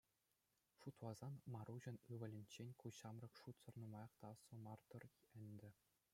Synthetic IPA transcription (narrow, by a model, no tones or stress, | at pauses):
ʂut̪ʋɑzɑnmɑɾuʑɤ̆nɯʋɘ̆lʲɘ̆nʲt͡ɕːenʲkuɕɑmrɤ̆kʂut̪sɤ̆rnumɑjɑ̆χt̪ɑsŏmɑrt̪ɤ̆rɘ̆nʲd̪ʲɘ̆